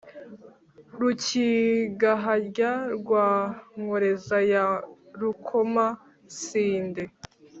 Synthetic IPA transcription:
ɾuciɡaɦaɾɟaɾɡwaːŋoɾezajaɾukʰoma | siːnde

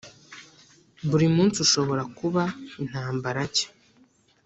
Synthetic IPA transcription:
buɾimuːnsiuʃo̞βo̞ɾakuβain̥haːmbaɾace̥

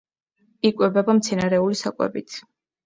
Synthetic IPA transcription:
ikʼwɛbɛbamt̪sʰɛnaɾɛulisakʼwɛ̰bit̪ʰ

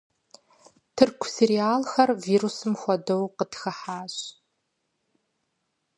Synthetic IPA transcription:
tʰɨrkʷʰʊseɾiaːlxɐrviːɾusɨmxʷɔdɐwqədxɐħaːɕ

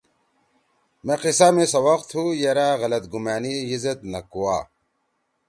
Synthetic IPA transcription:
meqisaːmẽsɐwɐqt̪hujeɾaːɣɐlɐt̪ɡumaːniizɐt̪nɐkuwaː

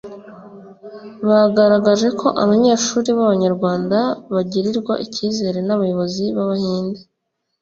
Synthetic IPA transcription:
βaɡaɾaɡaʒe̞kʰo̞ʔaβaɲe̞ːʃuːɾiβaβaɲaɾɡwaːndaβaɟiɾiɾɡwa̰ʔiciːze̞ɾe̞naβajo̞βo̞ziβaβahiːnde

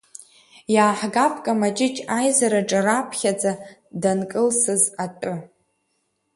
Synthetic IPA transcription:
jaːħɡapʰʼkʼamat͡ʃʼɪt͡ʃʼajzaɾaʈ͡ʂʼarapʰχʲad͡zadankʼɨlsɨzatʼɨ

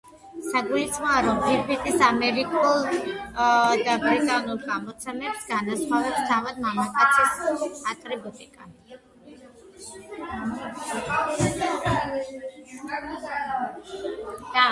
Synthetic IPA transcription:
saɡuit̪sʰʼχɔaɾɔmbipʰit̪ʼisamɛɾikʼulˠ | d̪abɾit̪ʼanulˠɡamɔt̪sʰɛmɛpsɡanasχavɛpst̪ʰavad̪̚mamakʼatt̪sʰisat̪ʼɾɛbɔt̪ʼikʼa

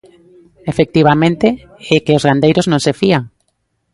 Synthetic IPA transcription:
efek̚t̪iβamẽnt̪e | ekeozɣand̪ejɾoznõŋsefiaŋ

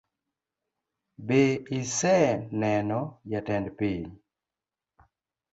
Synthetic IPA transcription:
beisɛnɛnɔjatɛndpiɲ

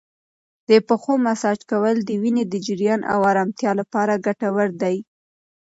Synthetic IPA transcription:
d̪̥əpəxomasɑd͡ʒkawəld̪əwined̪əd͡ʒɪɾjɑnʔa̰wɑɾɑmt̪jɑlapɑɾaɡaʈawəɾd̪aj

